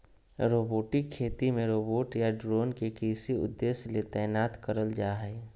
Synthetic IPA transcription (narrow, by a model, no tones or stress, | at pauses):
ɾoːboːʈɪkʰːeːt̪imẽɾoːboːʈjaɖɾoːnkekisiʊ̰d̪ːeːslet̪ɛːnaːt̪kəɾəld͡ʒaːɦɛː